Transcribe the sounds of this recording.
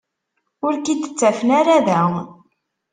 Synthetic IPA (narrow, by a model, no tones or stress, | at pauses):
ʊɾkid̪ət͡sːæfənaɾaðæ